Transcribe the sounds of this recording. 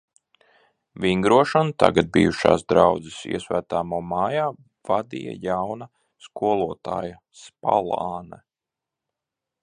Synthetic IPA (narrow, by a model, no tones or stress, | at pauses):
viŋɡɾuɔʃɔnut̪a̰ɡad̪̚bḭjuʃa̰ːsd̪ɾawd̪zisḭɛsvæːt̪aːmuːmaːjaː | v̥ad̪ija̰jawnɐ | skuɔlˠuɔt̪a̰ːja | spa̰lˠaːnɛ